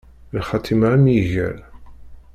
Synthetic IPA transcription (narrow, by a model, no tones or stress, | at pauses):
lχɑt̪ʰimamjiʝæ̰l